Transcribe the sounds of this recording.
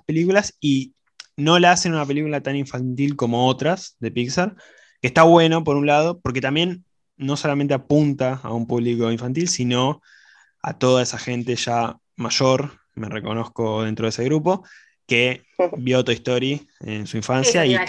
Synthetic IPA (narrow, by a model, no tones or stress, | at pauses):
pelikulasi | no̞laase̞nunape̞likulat̪aniɱfant̪ilko̞mo̞ot̪ɾasðe̞piksaɾ | keːht̪aβwe̞no̞po̞ɾunlað̞o̞po̞ɾke̞t̪ambje̞nː | o̞so̞lament̪eapunt̪a̰ːumpuβliko̞iɱfant̪̬ilsino̞ | a̰t̪o̞ðaesaxe̞nt̪e̞ʃa | maʃo̞ɾ | mereko̞no̞xko̞ðe̞nt̪ɾoðeseɣɾupo̞ | ke | βjoot̪oiht̪o̞ɾiensuiɱfansjai